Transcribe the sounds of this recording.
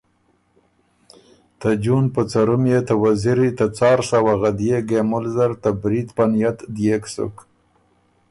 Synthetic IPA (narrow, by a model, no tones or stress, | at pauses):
t̪ad͡ʒunpət͡saɾumjet̪awaziɾit̪at͡sɑɾsawaɣad̪jeɡemʊlzaɾt̪abɾit̪panjat̪d̪jeksʊ̰k